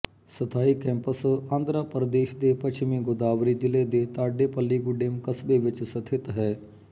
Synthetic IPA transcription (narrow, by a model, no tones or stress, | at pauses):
sət̪ʰaːiːkɛ̃ːmpəsãːnd̪ɾaːpəɾd̪eːʃd̪eːpət͡ʃmĩːɡʊd̪aːʋɾiːd͡ʒ̪ɪleːd̪eːt̪aːɖeːpəlːiːɡʊɖeːmkəsbeːʋɪt͡ʃsət̪ʰɪt̪ɦɛː